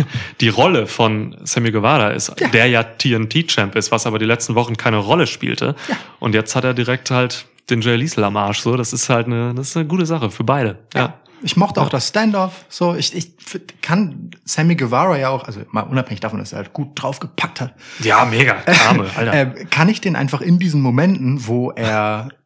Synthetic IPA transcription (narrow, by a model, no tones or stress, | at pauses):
d̥iːʁɔləfɔnsɛmiɡəvaːʁaʔɪ̰stːd̥eːɐjaːtʰiːɛntʰiːt͡ʃɛmpɪstv̥asʔaːbɐdiːlɛt͡stn̩vɔχn̩kʰaɪnəʁɔləʃpḭːltʰə̰ʔʊ̰ntjɛt͡sthateːɐdiʁɛk̚thalt | d̥eːnd͡ʒeɪliːsl̩amʔaːɐʃz̥oːdasɪsthaltnəd̥asɪ̥snəɡuːtəzaχəfyːɐbaɪɾəja̰ː | ʔɪçmɔχtəaʊxd̥asstɛndɔfz̥oːɪçɪçkʰansɛmiɡəvaʁajaːaʊxʔalzo̰ma̰ːlʔʊnaphɛŋɪçd̥aːfɔnd̥asḛːɐhalt̚ɡ̥uːt̚d̥ʁaʊfɡ̥əpʰak̚thatjaːmeːɡa̰aːməʔa̰ltɐɛːkʰanɪçd̥eːnʔa̰ɪnfaχɪndiːzn̩momɛntn̩voːʔeːɐɐ